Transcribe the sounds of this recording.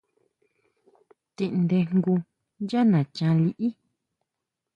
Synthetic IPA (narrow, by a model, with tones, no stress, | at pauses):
t̪ĩ˧ʔnd̪e˧ŋɡu˧ | nja˦nã˨t͡ʃã˧li˧ʔi˦